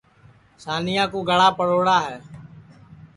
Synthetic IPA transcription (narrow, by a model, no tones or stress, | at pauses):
saːnijãːkuːɡʱəɽaːpəɽoːɽaːɦɛː